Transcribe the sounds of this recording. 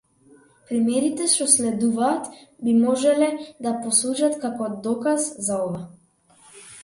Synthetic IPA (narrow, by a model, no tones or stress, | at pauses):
pɾimɛɾit̪ɛʃt̪ɔslɛd̪uvaːt̪bimɔʒɛlɛd̪apɔsut͡ʃat̪kakɔd̪ɔkazzaɔva